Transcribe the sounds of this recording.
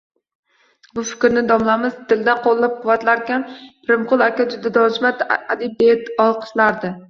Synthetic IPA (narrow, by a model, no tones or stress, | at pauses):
bʊfɪ̥kʲɾnɪd̪ɒmlamɪzt̪ʰɪld̪anqʰolˠːap̚qʊwat̪laɾkʲanpɪɾɪmqʰʊlˠakʲad͡ʒʊd̪ad̪ɒd͡ʒmat̪ad̪ɪb̚et̪ɒlˠqʰɨ̥ʃlaɾd̪ɪ